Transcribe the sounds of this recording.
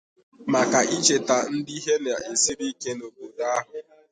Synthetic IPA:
ma˨ka˨ʔi˦t͡ʃe˨ta˨n̩˦di˦ɦe˦na˨e˨si˦ɾi˦ke˦no˨bo˨da˦a˦ɦʊ˨

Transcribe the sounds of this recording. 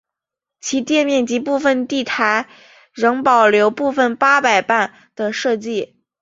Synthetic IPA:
t͡ɕʰi˧˥t̪jɛ˥˧nmjɛ˥˩nt͡ɕi˧˥pu˥˩fə˧nt̪i˥˩t̪ʰa˧˥ɪ | ɻɤ˧˥ŋpɑ˨˩ʊljo˧˥ʊpu˥˧fə˧˩npa˥pa˨˩ɪpa˥˩n | d̪̥ə˩ʂɤ˥˧t͡ɕi˥˩

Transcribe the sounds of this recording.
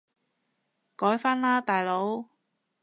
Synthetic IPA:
kɔː˨˥jfaː˥nlaː˥t̪aː˨jlo˨˥w

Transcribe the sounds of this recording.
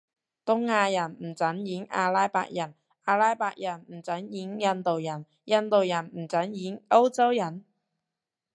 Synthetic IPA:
t̪ʊ˥ŋːaː˧jɐ˨˩nm̩˨˩t͡sɐ˨˥njiː˨˥ŋʔa̰ː˧laː˥jpa̰ː˧k̚jɐ˨˩n | aː˧laː˥jpaː˧k̚jɐ˨˩nm̩˨˩t͡sɐ˨˥njiː˨˥ŋjɐ˧˥nt̪o˨wjɐ˨˩n | jɐ˧nt̪o˨wjɐ˨˩nm̩˨˩t͡sɐ˨˥njiː˨˥ŋo˥wt͡sɐ˥wjɐ˨˩n

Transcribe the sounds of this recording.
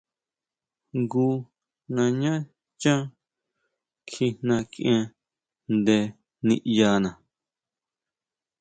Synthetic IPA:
ŋɡu˧ | nã˧ɲã˦ | t͡ʃã˦ | kʰi˧n̥ã˧kʔẽ˧ | nd̪e˧ | nḭ̃˧ʔja˧nã˨

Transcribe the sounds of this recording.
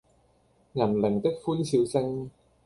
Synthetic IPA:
ŋɐ˨˩nlɪ˨˩ŋt̪ɪ˥k̚fuː˥nsiː˨˧wsɪ˥ŋ

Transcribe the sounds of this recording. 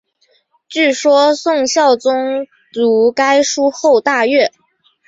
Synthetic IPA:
t͡ɕy˥˩ʂwɔ˥sʊ˥˧ŋɕjɑ˥˩ʊt͡sʊ˥ŋ | t͡su˧˥ka˥ɪʂu˥xo˥˧ʊt̪a˥˧ɥɛ˥˩

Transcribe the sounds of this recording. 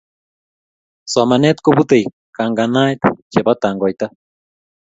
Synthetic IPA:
sa˨ma˨ne˦t̪ko˦βu˦t̪e˨j | ka˨ŋɡa˨na˦jt̪t͡ʃe˨βa˦taː˨ŋɡɔ˨jta˦

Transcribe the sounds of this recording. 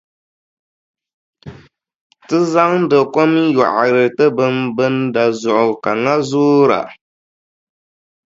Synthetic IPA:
tɨ˦za˦ŋdə˨ko˦mi˦jɔ̰˨ʔa˨ɾɨ˨tɨ˦bɨ˦mbɨ˦nda˨zʊ˨ʔʊ˨ka˨ŋa˦zuː˦ɾa̰˨

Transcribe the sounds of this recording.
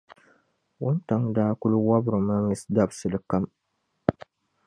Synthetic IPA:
wʊ˦nta˦ŋdaː˦kʊ˦lu˦wa˦bɾo˨ma˦mi˦sɡa˦bsɨ˨dɨ˨ka˦m

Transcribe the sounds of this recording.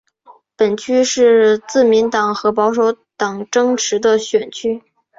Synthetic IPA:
pə˨˩nt͡ɕʰy˥ʂɻ̩˥˧t͡sɹ̩˥˩mi˧˥nt̪ɑ˨˩ŋxɤ˧˥p̬ɑ˧˥ʊʂ̬o˧˥ʊt̪ɑ˨˩ŋʈ͡ʂɤ˥ŋʈ͡ʂʰɻ̩˧˥d̪ə˧ɕɥɛ˨˩nt͡ɕʰy˥

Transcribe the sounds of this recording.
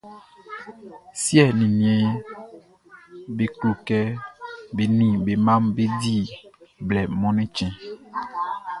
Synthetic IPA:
si˦ɛ˨nĩ˨nĩ˨ɛ̃˨˦ | be˨klu˨kɛ˦be˨nĩ˨be˨mã˦mbe˦di˦blɛ˨mɔ̃˦nɛ̃˦t͡ʃɛ̃˨

